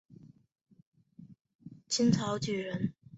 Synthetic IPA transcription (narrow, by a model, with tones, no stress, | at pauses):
t͡ɕʰi˥nt͡sʰɑ˧˥ʊt͡ɕy˨˩ɻə˧˥n